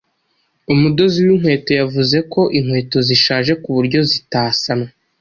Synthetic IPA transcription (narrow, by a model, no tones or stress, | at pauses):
umudo̞ziwiŋ̥hwe̞ːto̞javuze̞ko̞ʔiŋ̥hwe̞ːto̞ziʃaːʒe̞kuβuɾɟo̞zitaːsana